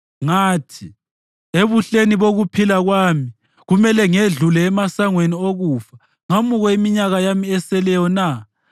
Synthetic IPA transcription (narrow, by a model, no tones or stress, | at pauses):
ŋaːtʰi | eβuɬeniβoɣupʰilaɣwaːmi | ɣumɛlɛŋeɮulɛːmasaŋwenioɣuːfa | ŋamuɣɔimiɲaɣajamiɛsɛlɛjɔna